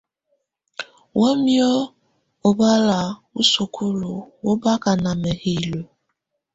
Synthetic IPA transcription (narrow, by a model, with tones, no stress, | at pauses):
wʔo˦mjɔ˦ | ʊ˨ba˦la˨u˦su˨kʰu˦lu˨wʊ˦ba˦ka˨na˨me˨hi˨lo˨